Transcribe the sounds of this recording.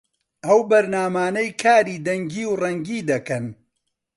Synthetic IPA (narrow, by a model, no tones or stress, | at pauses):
ʔɐwbɐɾnaːmaːnɐjkʰaːɾiːd̪ɐŋɡiːwrɐŋɡiːd̪ɐkɐn